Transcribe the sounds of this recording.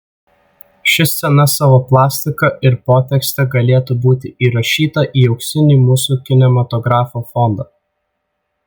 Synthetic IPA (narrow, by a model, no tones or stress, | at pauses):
ʃʲɪsʲɛnɐsɑːʋoːplˠɑːsʲt̪ʲɪkɐʔɪɾpoːt̪ʲɛksʲt̪ʲɛɡɐlʲeːt̪ubuːt̪ʲɪiːɾɐʃʲiːt̪ɐʔiːɛʊksʲɪnʲɪːmuːsukʲɪnʲɛmɐt̪ɔɡɾɑːfoːfɔnd̪ɐː